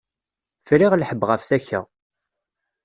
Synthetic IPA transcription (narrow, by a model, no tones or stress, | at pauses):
fɾiʁlħəbːʁəfθæçæ̰